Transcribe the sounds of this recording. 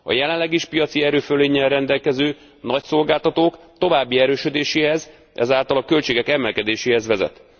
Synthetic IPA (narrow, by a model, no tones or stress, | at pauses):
ɒ̰jɛlɛnlːɛɡiʃpijɒt̪siɛɾøːføleːɲːɛlrɛnd̪ɛlkɛzøː | nɒcso̞lɡaːlt̪ɒt̪oːk | t̪o̞vaːbːiɛɾøːʃød̪eːʃeːɦɛz | ʔɛ̰zaːlt̪ɒlɒkølt͡ʃeːɡɛkɛmɛlkɛd̪eːʃeːhɛzvɛzɛ̰t̪